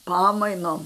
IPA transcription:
ˈpɑːmɐɪnoːm

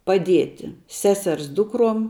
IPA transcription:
pɐˈdʲiɛtʲɪ ˈsʲæːˌsʲɛrs ˈdʊkroːm

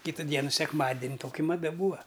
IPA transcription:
ˈkʲiːtʊ ˈdʲiɛnʊ sʲɛkˈmɑːdʲɪnʲ ˈtoːkʲɪ mɐˈdɐ ˈbuːɐ

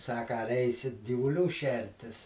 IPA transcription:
ˈsɑːkɐ ɐr ˈɛɪsʲɪt ɡʲiːʋʊˈlʲuː ˈʃʲɛrʲtʲɪs

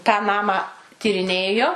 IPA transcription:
tɑː ˈnɑːmɑː tʲiːrʲɪˈnʲeːjoː

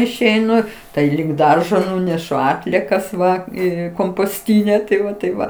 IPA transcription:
ɪʃʲɛɪˈnʊ ˈtɐɪ lʲɪk ˈdɐrʒoː ˈnʊnʲɛʃʊ ˈɑːtʲlʲiɛkɐs ʋɐ ˈiː koːmpoːsʲˈtʲiːnʲɛ tɐɪ ˈʋɐ tɐɪp ˈʋɐ

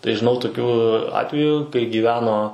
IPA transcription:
tɐɪ ʒʲɪˈnɐʊ toːˈkʲuː ˈɑːtʲʋʲɛjuː kɐɪ ɡʲiːˈʋʲæːnoː

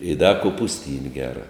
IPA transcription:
ɪ dɐ koːpʊsʲˈtʲiːnʲ ˈɡʲæːrɐ

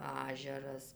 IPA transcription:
ˈɑːʒʲɛrɐs

